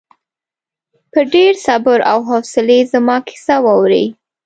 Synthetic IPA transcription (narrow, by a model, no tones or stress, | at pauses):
pəɾɖeɾsabʊɾa̰wɦɔsɪlezəmɑkʰɪ̥sawɑwɾḛj